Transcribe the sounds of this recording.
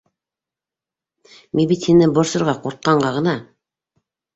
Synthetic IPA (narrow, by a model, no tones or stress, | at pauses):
mibit̪hinɘbŏɾsɤ̆ɾʁɑquɾt̪̚qɑɴɢɑʁɤ̆nɑ